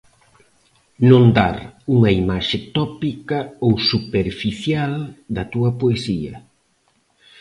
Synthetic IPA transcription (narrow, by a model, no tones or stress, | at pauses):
nõnd̪a̰ɾuŋɐimaʃɪt̪ɔpikɐowsupeɾfiθjald̪ɐt̪uɐpoesiɐ